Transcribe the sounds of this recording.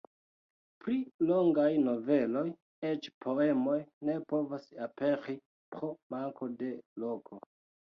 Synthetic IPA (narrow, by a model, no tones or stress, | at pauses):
pɾiloŋɡajno̞ve̞lo̞j | e̞t͡ʃpʰo̞e̞mo̞jne̞po̞vasape̞ɾi | pɾomaŋko̞de̞lo̞kʰo̞